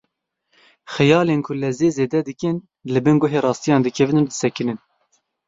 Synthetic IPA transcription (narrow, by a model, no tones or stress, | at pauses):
xɛjɑːleːnkʰʊlɛzeːzeːd̪ɛd̪ɨkɨn | lɨbɨnɡʊɦeːrɑːst̪ijɑːnd̪ɨkʰɛvɨnɨnd̪ɨ̥sɛkɨnɨn